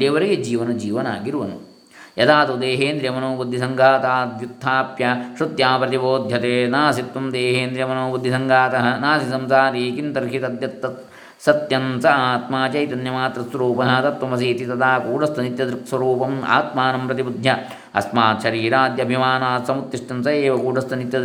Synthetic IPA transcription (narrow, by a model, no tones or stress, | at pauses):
eːʋɐɾeɡed͡ʒiːʋɐnɐd͡ʒiːʋɐna̰ːɡiɾuʋɐnṵ | jɐd̪aːt̪ud̪eːɦeːnd̪ɾjɐmɐnoːbud̪ʱːisɐŋɡaːt̪aːd̪jut̪ʰːaːpjɐʃɾud̪jaːpɾɐt̪iboːd̪ʱjɐt̪eːnaːsit̪ʋɐmd̪eːɦeːnd̪ɾjɐmɐnoːbud̪ʱːisɐŋɡaːt̪ɐɦɐnaːsisɐmsaːɾiːkint̪ɐɾʃit̪ɐd̪jɐt̪ːɐ | sɐt̪jɐnsɐaːt̪maːt͡ʃɐjt̪ɐnjɐmaːt̪ɾɐsʋɐɾuːpɐnaːt̪ɐt̪ʋɐmɐs̬iːt̪it̪ɐd̪aːkuːɖɐst̪unit̪jɐd̪ɾiksɐɾuːpɐma̰ːt̪maːnɐmpɾɐt̪ibud̪ʱjɐ | ɐ̰smaːt̪ʃɐɾiːɾaːd̪jɐbʱimaːnaːsɐmut̪ːiʂʈɐnsɐeːʋɐkuːɖɐst̪ɐnit̪jɐd̪